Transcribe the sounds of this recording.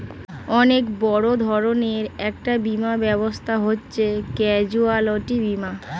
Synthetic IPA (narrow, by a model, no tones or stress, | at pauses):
ɔnekbɔɽod̪ʱɔɾoneɾɛk̚ʈabimabɛbost̪ʰaɦotːɕʰekɛd͡ʑualoʈibima